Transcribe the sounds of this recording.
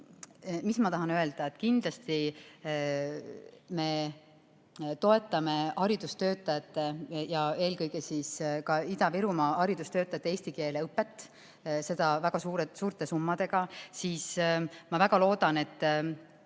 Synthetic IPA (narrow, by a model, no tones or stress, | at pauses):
mismɑt̪ɑɦɑnøe̞ld̪̥ɑet̪ːkind̪lɑst̪i | me̞ | t̪o̞e̞t̪ːˑɑme̞hɑɾid̪̥ust̪ø̞ːt̪ːˑɑjɑt̪ːˑe̞jɑe̞ːlkɤjɡ̥esiskɑid̪ɑviɾumɑhɑɾid̪̥ust̪øːt̪ːˑɑjɑt̪ːˑeeːsʲt̪ike̞ːleɤpːˑet̪ːˑ | se̞d̪̥ɑvæɡ̥ɑsuːɾesuːɾt̪e̞sumːɑd̪̥e̞ɡ̥ɑsiːsmɑvæɡ̥ɑlo̞ːd̪̥ɑne̞t̪ˑː